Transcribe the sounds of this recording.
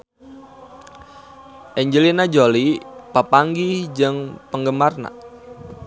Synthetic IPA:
ʔɛɲd͡ʒəlinad͡ʒolipapaŋɡid͡ʒɨŋpəŋɡəmarna̰

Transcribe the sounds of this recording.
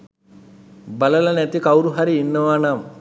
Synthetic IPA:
bɐlɐlɐnɛt̪ikɐwɾuɦɐɾiːnːɐʋaːnam

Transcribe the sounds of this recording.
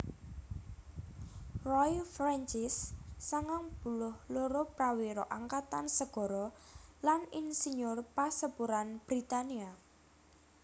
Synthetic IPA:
rɔjfɾant͡ʃɪsːaŋaŋb̥ṳlʊhloɾopɾawiɾɔʔaŋkat̪ansəɡ̥ɔ̤ɾɔlaninsiɲʊrpasəpuɾanb̥ɾit̪ania

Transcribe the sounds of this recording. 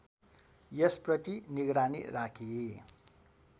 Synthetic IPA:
jʌsprʌt̪iniɡɾanḭrakʰi

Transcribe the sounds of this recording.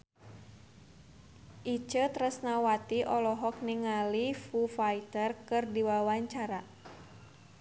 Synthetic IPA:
ʔit͡ʃət̪ɾəsnawat̪iʔɔlɔɦɔk̚niŋalifufait̪ərkɨrdiwawaɲt͡ʃaɾa

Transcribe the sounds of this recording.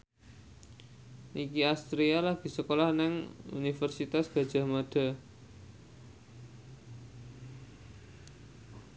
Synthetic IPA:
nikiast̪ɾialaɡ̥i̤səkolahnɪŋṵnifərsit̪asɡ̥a̤d̥ʒ̥a̤maɖ̥a̤

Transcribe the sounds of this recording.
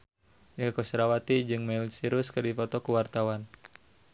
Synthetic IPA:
ɲakosɾawat̪id͡ʒɨŋmɛlsiɾʊskɨrdifɔt̪ɔkuwart̪awan

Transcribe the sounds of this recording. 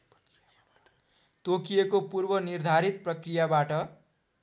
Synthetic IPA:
t̪okijekopurbʌnird̪ʱaɾit̪̚prʌkrijabaʈʌ

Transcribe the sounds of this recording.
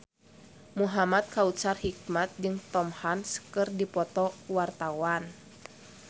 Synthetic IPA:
muɦamat̪̚kaut͡ʃarhik̚mat̪̚d͡ʒɨŋt̪ɔmhansə̥kɨrdipɔt̪ɔwart̪awan

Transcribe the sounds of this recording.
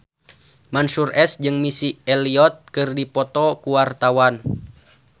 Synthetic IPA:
mansurʔɛsd͡ʒɨŋmisiɛliɔt̪̚kɨrdipɔt̪ɔkuwart̪awan

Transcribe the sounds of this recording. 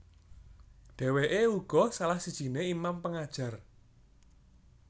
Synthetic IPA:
ɖ̥ɛ̤weʔeuɡ̥ɔ̤salahsid̥ʒ̥i̤neimampəŋad̥ʒ̥ä̤r

